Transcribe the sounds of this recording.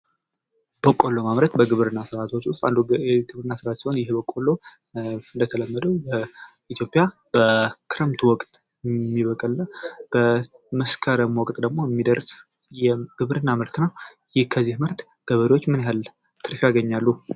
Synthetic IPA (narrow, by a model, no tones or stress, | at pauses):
b̥əkʼolːo̞maβɾət̪bəɡɨβɾɨnːasɨɾat̪ʰot͡ʃːust̪ʼand̪uɛɡɨβɾɨnːasɨɾat̪sihonjɪhbəkʼːolːo | ɨnd̪ət̪ʰələmːəd̪əwbə | it̪jo̞pʼija | b̥əkʰɨɾəmt̪ʰuwɔkʼt̪ʼ | mːiβəkʼɨlnab̥ə | məskʰəɾəmwɔkʼt̪ʼd̪əɡmo̞jɛmːid̪əɾs | jɛɡ̥ɨβɾɨnːamɨɾt̪naw | jɪhkʰəzːihmɨɾt̪ | ɡ̥əβəɾiwot͡ʃːmɨnjɦalː | t̪ʰɨɾfijaɡəɲːalːu